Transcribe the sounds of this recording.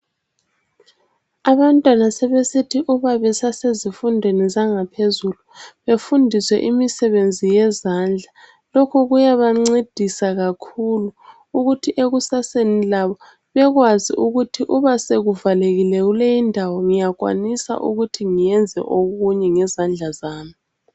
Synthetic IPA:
aβantʼwanasɛβesitʰiʔuβaβɛsasezifundʱwenizaŋapʰezuluβefundʱiswɛ̰ʔimisɛβend͡zʱijɛzand͡ɮʱa | lɔkʰɔɣujaβaŋ͡ǀed̥ʱisaɣakʰuluː | ɣutʰiʔeɣusasenilaβɔ | βɛɣwazḭʔuɣutʰiʔuβaseɣuvaleɣilɛɣulejindʱawɔŋijaɣwa̰nisa̰ʔṵɣutʰiŋijɛnd͡zʱɛ̰ʔoɣuɲɛŋɛzand͡ɮʱazaːmi

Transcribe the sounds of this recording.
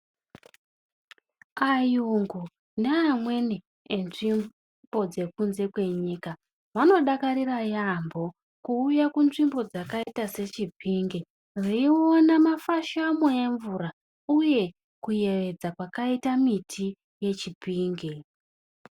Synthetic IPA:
ajuŋɡu | neamwe̞neː | nʐim | bo̞d͡ze̞kunze̞kwe̞ɲiːka | ʋano̞ɗakaɾirajambo̞ | kuːjakunʐimbo̞d͡zakaitase̞t͡ʃibʱiːŋɡe | riiwo̞namafaʃamoeɱvuɾa | uje̞ | kuje̞ʋe̞d͡zakwakaitamitʰi | je̞t͡ʃibʱiːŋɡe

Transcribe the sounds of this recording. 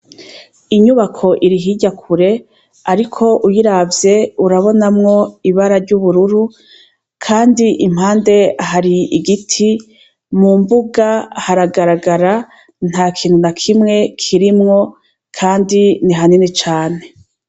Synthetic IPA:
iɲuβakʰo̞ʔiɾiɦiɟakʰuɾe̞ | aɾikʰo̞ʔujiɾavje̞uɾaβo̞namŋo̞iβaɾaɾɟuβuɾuɾu | kʰaːndiʔim̥haːnde̞aɦaɾiiɡitʰi | mumbuɡahaɾaɡaɾaɡaɾa | n̥haːkʰiːnhunakʰimŋe̞kʰiɾimŋo̞ | kʰaːndiniɦaninit͡ʃaːne̞

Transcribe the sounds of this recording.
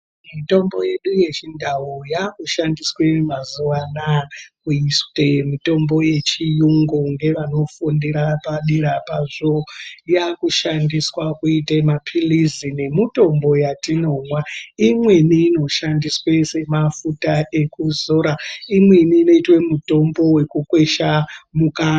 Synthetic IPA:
mito̞mbo̞je̞ɗuje̞t͡ʃindawojakuʃandiswemazuʋanakuistemito̞mbo̞je̞t͡ʃijuŋɡoŋɡe̞ʋano̞fundiɾapaɗiɾapaʐojakuʃandiswakuitemapʰilizine̞mito̞mbo̞jatino̞mwaimwe̞niːno̞ʃandiswe̞se̞mafutaʔe̞kuzoːɾaimwe̞niːno̞itwe̞muto̞mbo̞we̞kukwe̞ʃamukaː

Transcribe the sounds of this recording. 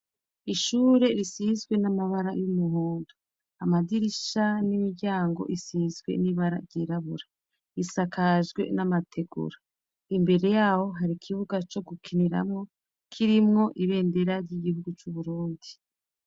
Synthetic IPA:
iʃuːɾe̞ɾisizɡwe̞namaβaɾajumuɦuːndu̥ | amadiɾiʃanimiɟaːŋɡo̞̰ʔisizɡwe̞̰niβaɾa̰ɾɟiːɾaβuɾa | isakʰaʒɡwe̞̰namatʰe̞ɡṵɾa | imbe̞ɾe̞jaːho̞ɦaɾikʰiβuɡat͡ʃo̞ɡukʰiniɾa̰mŋo̞ | kʰiɾimŋo̞ʔiβe̞ːnde̞ɾaɾɟiɡihuɡut͡ʃuβuɾuːndi

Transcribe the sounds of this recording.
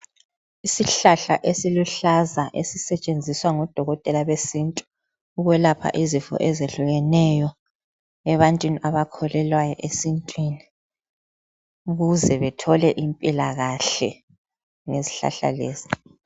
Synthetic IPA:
isiɬaɬa̰ʔesiluɬazaʔesisɛt͡ʃʼend͡zʱiswaŋɔd̥ʱɔɣɔtʼɛlaβesintʼu̥ː | ɣwɛlapʰa̰ʔizifɔ̰ʔɛzeɬuɣɛnɛjɔ | ɛβantʼwiniʔaβakʰɔlɛlwajɔ̰ʔesintʼwini | uɣuzɛβɛtʰɔlɛʔimpʼilaɣaɬɛ | ŋezi̥ɬa̰ɬa̰leːz̥i̥

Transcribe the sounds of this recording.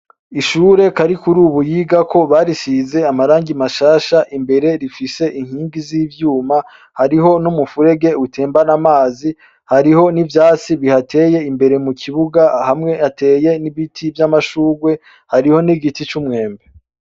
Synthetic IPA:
iʃuːɾe̞kaɾikuɾuːβujiːɡakʰo̞βaɾisize̞amaɾaːŋɡimaʃaːʃaʔimbe̞ɾe̞ɾifise̞ʔiŋhiːŋɡiziːvjuːma | haɾiɦo̞numufuɾe̞ɡe̞utʰeːmbanamaːzi | haɾiho̞nivjaːt͡siβihatʰe̞je̞imbe̞ɾe̞mukʰiβuɡahamŋe̞ate̞ːje̞niβitʰivjamaʃuːɡwe̞ | haɾiho̞niɡitit͡ʃumŋe̞ːmbe

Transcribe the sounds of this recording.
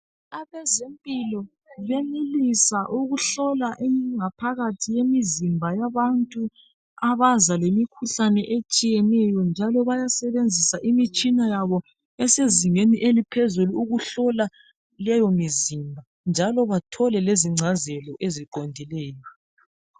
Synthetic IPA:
aβɛzempʼilɔ | βenilisaʔuɣuɬɔlaʔiŋapʰaɣatʰijemizimbʱajaβantʼu | aβazalemikʰuɬanɛʔet͡ʃʼijɛnɛjɔnd͡ʒʱalɔβajasɛβend͡zʱisaʔimit͡ʃʼinajaβɔ | ɛseziŋeniʔelipʰezuluuɣuɬɔla | lɛjɔmizimbʱa | nd͡ʒʱalɔβatʰɔlɛleziŋ͡ǀʱazɛlɔʔeziǃondʱilɛːjɔ

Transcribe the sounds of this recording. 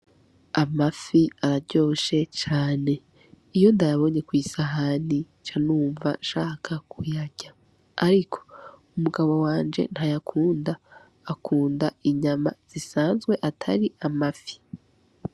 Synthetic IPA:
amafiaɾaɾɟo̞ːʃe̞t͡ʃaːne̞ | ijo̞ndajaβo̞ɲe̞kwiːsaɦani | t͡ʃanuːɱva̰ʃaːkʰakʰujaɟaː | ɾikʰo̞̥ | umuɡaβo̞waːnd͡ʒe̞̰nhajakʰuːndaː | kʰuːndaiɲamaz̥isaːnzɡwe̞ʔatʰaɾiamafi̥

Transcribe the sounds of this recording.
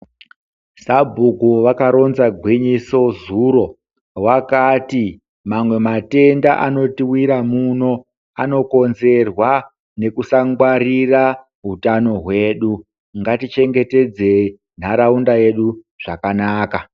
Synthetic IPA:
sabʱukuʋakaɾo̞nzaɡʱwiɲiso̞zuːɾo̞ | wakaːti | mamwe̞mate̞ndaʔano̞tiwiɾamuno̞ | ano̞ko̞nze̞rwa | ne̞kusaŋɡwarira | ɦutano̞ɦwe̞ːɗu | ŋɡatit͡ʃe̞ŋɡe̞te̞d͡ze | n̤aɾaundaje̞ɗu | ʐ̥akanaːka

